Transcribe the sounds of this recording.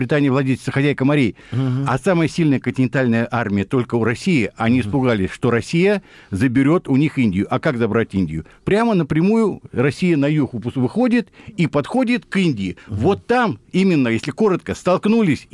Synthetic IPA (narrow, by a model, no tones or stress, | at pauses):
bɾʲɪt̪anʲɪjvlˠɐdʲelʲɪsəxɐzʲæjkəmɐɾʲej | ɐsaməjəsʲilʲnəjəkɨnʲtʲɪnʲɪnt̪alʲnəjəʔarmʲɪjət̪o̞lʲkəʊɾɐsʲijɪʔɐnʲiɪspʊɡalʲɪsʲʂt̪o̞ɾɐsʲijə | zəbʲɪɾʲo̞t̪ʊnʲixinʲdʲɪjʊʔɐkakzɐbɾatʲinʲdʲɪ̰jʊ̰pɾʲamənəpɾʲɪmujʊrɐsʲijənɐjuxvɨxo̞dʲɪt̪ipɐt̪xo̞dʲɪt̪kinʲdʲɪɪvo̞t̪ːamimʲɪnːəjesʲlʲɪko̞ɾət̪kəst̪ɐlˠknulʲɪsʲ